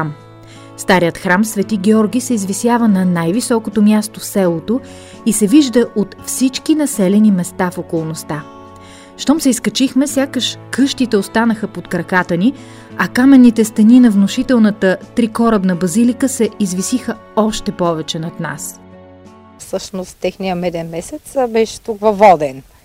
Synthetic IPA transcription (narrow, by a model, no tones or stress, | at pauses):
m | st̪aɾiət̪xɾamsvɛt̪iɡɛɔɾɡʲisɛizvisjavənɐnajvisɔkot̪omʲjast̪ofsɛlˠot̪o | isɛviʒd̪əʔot̪fsit͡ʃkinɐsɛlɛnimɛst̪afokolˠnost̪a | ʃt̪ɔmsɛiskɐt͡ʃixmɛsʲjakəʃkɤʃt̪it̪ɛost̪anəxəpot̪kɾɐkat̪əni | ɐkamɛnːit̪ɛst̪ɐninɐvnoʃit̪ɛlˠnət̪ət̪ɾikɔɾəbnɐbɐzilikəsɛizvisixə | ɔʃt̪ɛpɔvɛt͡ʃɛnɐt̪na̰s | fsɤʃnost̪ːɛxnijəmɛd̪ɛnmɛsɛt̪sbɛʃɛ̥t̪ukvɐvɔd̪ɛn